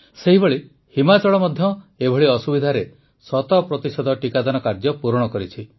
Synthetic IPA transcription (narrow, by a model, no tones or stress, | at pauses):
seɦibɔɭi | himat͡ʃɔɭɔmɔd̪ʱjɔebʱɔɭiɔsubid̪ʱaɾe | sɔt̪ɔpɾɔt̪isɔd̪ʱɔʈikad̪anɔkaɾd͡ʒɔpuɾɔɽ̃ɔkɔɾit͡ʃʰi